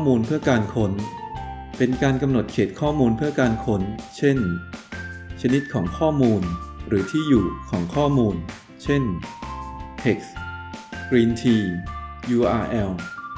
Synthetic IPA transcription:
ɔː˥˩muː˧npʰɯ˥˩ɐkaː˧nkʰo˦˥n | pe˧nkaː˧nka˧mno˨˩t̪̚kʰeː˨˩t̪̚kʰɔː˥˩muː˧npʰɯ˥˩ɐkaː˧nkʰo˦˥nt͡ɕʰe˥˩n | t͡ɕʰa˧ni˦˥t̪̚kʰɔː˩˦ŋkʰɔː˥˩muː˧nɾɯː˩˦t̪ʰiː˥˩juː˨˩kʰɔː˩˦ŋkʰɔː˥˩muː˧n | t͡ɕʰe˥˩n | t̪ʰe˨˩k̚s | kɾiː˧nt̪ʰiː˧juː˧ʔaː˧ʔɛ˧w

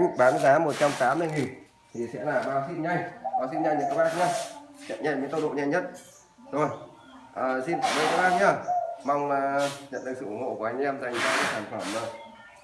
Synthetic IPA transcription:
ɓaː˨˦mɨ˧t̪aː˨˦mːo˨˩t̚t͡ɕa˧mt̪aː˨˦mː˧jŋi˨˩n | t̪ʰi˨˩sɛ̰˧˥laː˨˩ɓaː˨˦wsi˧nɲa˧jɓaː˨˦wsi˧nɲa˧jɲɨ̰˧˥ŋkə˧wɓaː˦˥k̚ə˧˩t͡ɕə̰˧˨nɲa˧˩jɲɨ̰˧˥ŋt̪ə˧wɗo̰˧˨ɲa˧jɲə˦˥t̚ | zo˨˩j | ʔəː˨˩si˧nt̪ʰaː˧˩ɗo̰˧˨k̪ə˧wɓaː˧˥t̚ə˧˩ma˧wŋ͡mlaː˨˩ɲə̰˧˨nɗɨ˨˩k̚sɨ̰˧˨ʔʊ˧˩ŋ͡mho̰˧˨ku˧˩˨a˧jŋ˧ɛ˧mza˨˩jŋzaː˧˦ə˦˧˦saː˧˩nfə˧˩mzo˨˩j

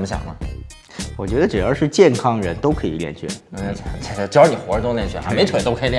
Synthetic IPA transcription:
mə˦ɕjɑ̰˨˩ŋnə˦ | wɔ˨˩t͡ɕɥɛ˧˥d̪ə˧ʈ͡ʂɻ̩˨˩jɑ˥˧ʊʂɻ̩˥˧t͡ɕjɛ˥˩nkʰɑ˥ŋɻə˧˥nt̪o˥ʊkʰɤ˧˥ḭ˨˩ljɛ̰˥˧˩nt͡ɕʰɥɛ̰˥˩˧t͡sʰa˧˥ɪ˧˥t͡ɕjɑ˥ʊ˥ni˨˩xwɔ˧˥˧t̪o˥ŋljɛ˥˩nt͡ɕʰy˥˩ʔa̰˧me˧˥ɪt̪ʰwe˨˩ɪt̪o˥ʊkʰɤ˥˨˧ljɛ˥˧

